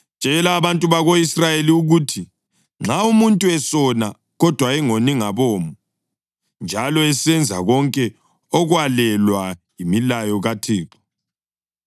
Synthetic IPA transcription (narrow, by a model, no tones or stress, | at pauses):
t͡ʃʼɛlaːβantʼuβaɣoisrajeliuɣuːtʰi | ŋ͡ǁaumuntʼuɛsɔna | ɣɔd̥ʱwaɛŋoniŋaβɔːmu | nd͡ʒʱalɔɛsɛnd͡zʱaɣɔŋkʼɛ | ɔɣwalɛlwajimilajɔɣatʰiːǁɔ̥